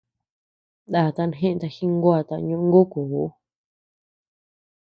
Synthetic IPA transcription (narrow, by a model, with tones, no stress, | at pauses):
d̪a˨t̪a˧nɦẽ˦ʔt̪a˧hi˦ŋɡwa˧˨t̪a̰˧ɲũ˧ʔŋɡo˦ku˨o˦